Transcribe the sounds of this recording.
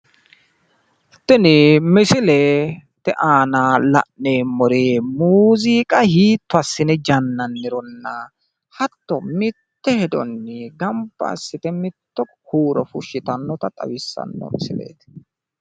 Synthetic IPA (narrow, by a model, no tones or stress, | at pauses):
t̪ɛnɪmɪsɪlɛt̪ɛʔaːnalɐ̰ʔːeːmːɔɾeːmuːziːkʼɐhiːt̪ːʊɐsːɪnɛd͡ʒɐnːɐnːɪɾɔnːɐ | hɐt̪ːɔmɪt̪ːɛhɛd̪ɔ̰nːɪɡɐmpːɐ̰sːɪt̪ɛmɪt̪ːɔ | kuːɾɔfʊʃːɪt̪ɐnːɔt̪ɐt̪ʼɐ̰wɪsːɐ̰nːɔ̰mɪ̰sɪ̰lḛːt̪